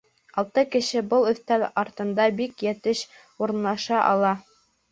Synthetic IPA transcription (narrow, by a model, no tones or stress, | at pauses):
ɑlˠt̪ɤkɘ̆ʃɘbɤlˠɵ̆θt̪ælɑɾt̪ɤ̆nd̪ɑbikjæt̪ɘʃ | uɾɤ̆nlˠɑʃɑʔɑ̰lˠɑ